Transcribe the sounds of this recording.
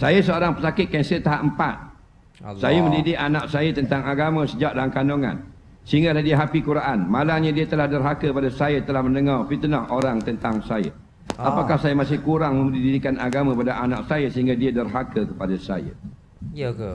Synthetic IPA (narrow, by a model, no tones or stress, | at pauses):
sajəsəoɾaŋpəsakɪt̪̚kansaət̪aɦaʔəmpat̪̚ | sajəmə̃ndidɪʔanaʔsajət̪ənt̪aŋaɡamə̃səd͡ʒaʔ̚dalamkanoŋa̰n | səɦiŋɡaladiəɦapikuɾaʔanmalaɲãdiət̪əlahdərɦakəkəpadasajət̪əlahmə̃ndəŋarfit̪ənahoɾaŋt̪ənt̪aŋsajə̰ | apakahsajəmasɪhkuɾaŋmə̃mdididikanaɡamãkəpadaʔanak̚sajəsəɦiŋɡadiədərɦakəkəpadasa̰jə̰